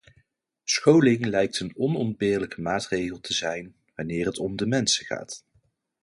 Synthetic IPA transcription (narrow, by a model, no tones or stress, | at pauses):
sχowlɪŋlɛjk̚tənɔnɔnbɪːɹləkəmaːtrejχəlˠtʰəzɛjn | ʋanɪːrɦətɔmdəmɛnsəχa̰ːt